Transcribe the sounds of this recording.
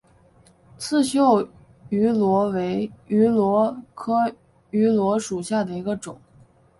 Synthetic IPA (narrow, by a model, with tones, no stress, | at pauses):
t͡sʰɹ̩˥˧ɕjo˥˩ʊ | y˧˥lwɔ˧˥we˧˥ɪy˧˥lwɔ˧˥kʰɤ˥ | y˧˥lwɔ˧˥ʂu˨˩ɕja˥˩d̪ə˩i˧˥ɡə˧ʈ͡ʂʊ˨˩˦ŋ